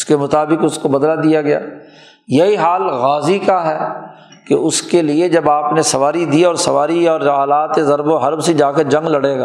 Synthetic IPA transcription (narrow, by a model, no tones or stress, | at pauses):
skemʊt̪aːbɪkʊskobɐd̪lad̪ijaɡɐja̰ː | jɐɦiɦaːlɣaːzikaɦɛː | kḛʊskelied͡ʒɐbaːpnesɐʋaːɾid̪iɔːɾsɐʋaːɾiɔːɾaːlaːt̪ezɐɾboɦɐɾbsid͡ʒaːkeɾd͡ʒɐ̃ŋɡlɐɽeːɡaː